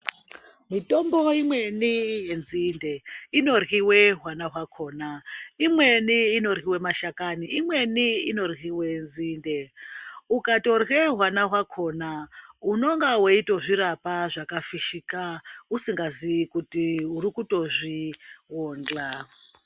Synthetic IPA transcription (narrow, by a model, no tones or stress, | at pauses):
mito̞mbo̞imwe̞nijenzinde̞ino̞rɣiwe̞ɦwanaɦwakʰo̞ːnaimweniːno̞rɣiwe̞maʃakaniʔimwe̞niino̞rɣiwe̞nzindeukato̞rɣeɦwanaɦwakʰo̞nauno̞ŋɡaweitoʐiɾapaʐakafiʃikausiŋɡazikutiuɾikuto̞ʐiwoːnd͡ɮa